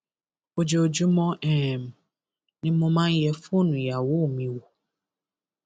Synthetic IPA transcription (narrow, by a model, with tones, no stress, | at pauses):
o˦d͡ʒo˨o˨d͡ʒu˦mɔ̃˦ɛ˦˨m̩˨ | nɪ̃˦mʊ̃˦mã˦jɛ˦fʊ˦o˦nũ˨ja˨wo˦˨mĩ˨wo˨